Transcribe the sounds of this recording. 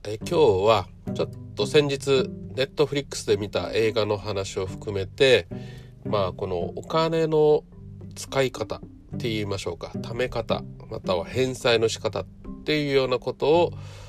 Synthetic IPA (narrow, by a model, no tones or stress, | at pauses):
ekʲo̞ːβa | t͡ɕo̞t̪ːo̞sẽ̞ɲ̟d͡ʑit͡sɨne̞t̪ːo̞ɸɾʲikːɯ̥sɨd̪e̞mʲit̪a̰ʔe̞ːɡano̞ɦanaɕio̞ɸɯ̟̥kɯ̟me̞t̪e̞ | maːko̞no̞̰okane̞no̞ | t͡sɨ̥kaikat̪a | t̪ːe̞iːmaɕo̞ːkḁt̪ame̞kat̪a̰ma̰t̪aβahẽ̞ɰ̃saino̞ɕi̥kat̪at̪ːe̞jɯ̟ːjo̞ːnako̞t̪o̞ː